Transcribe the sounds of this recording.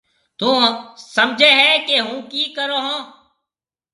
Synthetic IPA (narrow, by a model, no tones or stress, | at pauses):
t̪ũːsəmd͡ʒʱeːɦɛːkeɦũːkiːkəɾoːɦõː